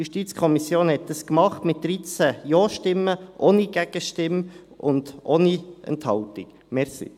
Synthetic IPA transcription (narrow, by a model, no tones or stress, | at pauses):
juʃtit͡skʰɔmisjoːnhɛt̚d̥ɑskmɑχtmɪt̚d̥ɾit͡sæjɔːʃtɪmːəʔoniɡ̥ɛɡ̥əʃtɪm | ʊ̰nd̥ʔoːniɛ̰nthɑlt̪ik | mɛɾsḭ